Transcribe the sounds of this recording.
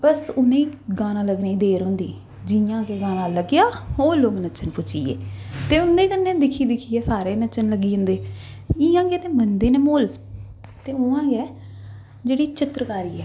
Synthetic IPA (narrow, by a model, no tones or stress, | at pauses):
bəsʊnẽːiːɡãːnãːləɡnẽːiːd̪eːɾɦʊ̃ːnd̪iː | d͡ʒɪãːɡeːɡãːnãːləɡjaːoːloːɡnət͡ʃənpʊt͡ʃḭːḛːt̪eːʊnd̪eːkənːẽːd̪ɪkʰiːd̪ɪkʰiːɛːsaːɾeːnət͡ʃənləɡiːɦʊ̃nd̪eː | ɪːãːɡɛːt̪eːmənd̪eːneːmoːl | t̪eːʊãːɡɛː | d͡ʒeːɽiːt͡ʃɪt̪ɾkaːɾiːɛː